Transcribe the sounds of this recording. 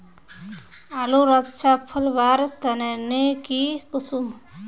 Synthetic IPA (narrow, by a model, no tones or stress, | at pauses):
aluɾətːt͡ʃʰapʰəlbaɾt̪ənenekikusum